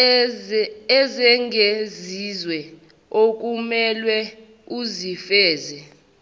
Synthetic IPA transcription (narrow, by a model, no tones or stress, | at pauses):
zɛŋʱezizwɛ | ok̬ʼumɛlwɛ | uzifɛːzɛ